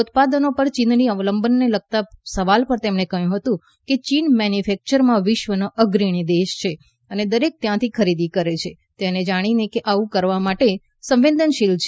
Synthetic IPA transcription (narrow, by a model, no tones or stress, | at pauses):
ut̪̚pad̪ənopəɾt͡ʃinniəʋləmbənːeləɡ̚t̪asəʋalpəɾt̪emɳekəɦjũɦət̪ũ | ket͡ʃinmɛnjufɛk̚t͡ʃəɾmãʋɪʃʋənoʔəɡɾiɽ̃id̪eʃt͡ʃʰe | əned̪əɾek̚t̪jãt̪ʰikʰəɾid̪ikəɾet͡ʃʰe | t̪ened͡ʒaɽ̃inekeʔaʋũkəɾʋamaʈe | sə̃mʋend̪ʱənʃilt͡ʃʰe